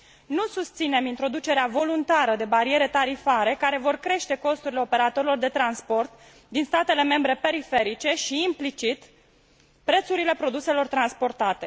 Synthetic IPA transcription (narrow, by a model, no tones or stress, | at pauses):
nusust̪sine̞mint̪ɾo̞d̪ut͡ʃe̞ɾeavo̞lunt̪aɾəd̪e̞baɾie̞ɾe̞t̪aɾifaɾe̞kaɾe̞vo̞rkɾe̞ʃt̪e̞ko̞st̪uɾile̞ope̞ɾat̪o̞ɾilo̞rd̪e̞t̪ɾanspo̞rt̪ | d̪inst̪at̪e̞le̞me̞mbɾe̞pe̞ɾife̞ɾit͡ʃe̞ʃiːmplit͡ʃit̪ | pɾe̞t̪suɾile̞pɾo̞d̪use̞lo̞rt̪ɾanspo̞rt̪at̪e̞